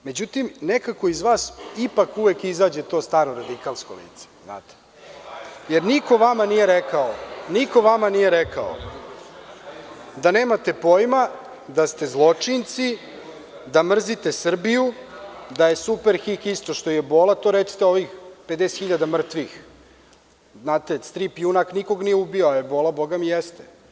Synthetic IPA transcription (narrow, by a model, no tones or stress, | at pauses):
me̞d͡ʑut̪imnekako̞izʋaːsipakuʋekizaːd͡ʑe̞t̪o̞ːst̪aːɾoɾad̪ikalˠskolḭːt̪se̥zna̰ːt̪e̥ | je̞ɾniko̞ʋamanije̞ɾekaoniko̞ʋamanije̞ɾeka̰o̰ | d̪ane̞ːmat̪e̞po̞jma | d̪ast̪e̞zlˠo̞t͡ʂint̪si | d̪amr̩zit̪esr̩biju | d̪aje̞supe̞ɾxikist̪o̞ʃt̪o̞ijebo̞ːlˠat̪o̞ɾet̪si̥t̪eo̞ʋixped̪eset̪xiʎad̪amr̩t̪ʋix | znaːt̪e̞st̪ɾipjunakniko̞ɡnijeubioajebo̞lˠabo̞ɡamijest̪e